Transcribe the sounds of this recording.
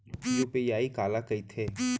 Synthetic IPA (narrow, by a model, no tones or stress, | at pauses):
joːpejaːiːkaːlakəit̪ʰeː